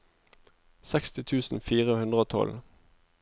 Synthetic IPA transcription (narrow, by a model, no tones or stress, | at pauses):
sɛkst̪ɪt̪ʰʉːsn̩fiːʁəhʉnd̪ʁəoːt̪ʰɔ̰l